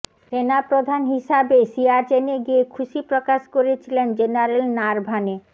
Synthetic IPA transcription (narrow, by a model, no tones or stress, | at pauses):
tenapɾod̪ʱanɦiʃabesiaɾt͡ɕeneɡiekʰuʃipɾokaʃkoɾet͡ɕʰilend͡ʑenaɾelnaɾbʱane